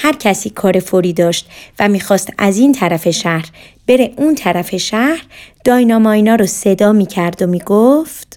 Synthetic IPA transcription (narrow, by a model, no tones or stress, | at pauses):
hæɾcʰæsiːkʰɒːɾe̞foɾiːd̪ɒːʃt̪væmiːxɒːst̪æziːnt̪ʰæɾæfe̞ʃæhɾ | b̥e̞ɾe̞ʔuːnt̪ʰæɾæfe̞ʃæhɾd̪̥ɒːjnɒːmɒːinɒːɾɔse̞d̪ɒːmiːcʰæɾd̪omiːɡoft̪